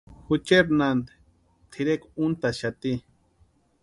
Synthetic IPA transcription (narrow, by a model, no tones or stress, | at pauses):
xut͡ʃeɾnand̪e̥ | t̪ʰiɾekunt̪aʃat̪i